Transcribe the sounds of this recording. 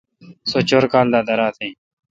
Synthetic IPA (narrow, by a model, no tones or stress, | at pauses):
soːt͡ʃoːɾkaːld̪aːd̪əɾaːt̪ʰẽː